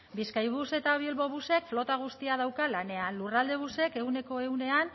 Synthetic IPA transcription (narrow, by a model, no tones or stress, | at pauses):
biskajβ̞use̞t̪aβilβo̞βuse̞kflo̞t̪aɣ̞ust̪iaðawkalane̞anlurald̪e̞β̞use̞ke̞ɣune̞ko̞e̞une̞an